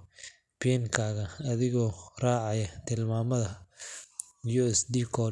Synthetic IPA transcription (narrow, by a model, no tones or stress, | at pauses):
pɛŋkʰaːɣɐːðɪɣɔːraːʕɑjɐt̪ʰɪlmaːmɐðɐ | juuɛsd̪ikʰɔ